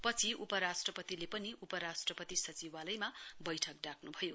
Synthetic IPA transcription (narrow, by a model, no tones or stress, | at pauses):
pʌt͡sʰiʔupʌɾasʈrʌpʌt̪ilepʌniʔupʌɾasʈrʌpʌt̪isʌt͡siwalʌjmabʌjʈʰʌk̚ɖakʰnubʱʌjo